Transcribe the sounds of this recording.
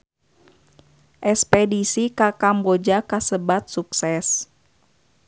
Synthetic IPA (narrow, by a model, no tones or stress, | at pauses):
ʔɛspɛdisikakambod͡ʒakasəbat̪̚suksɛs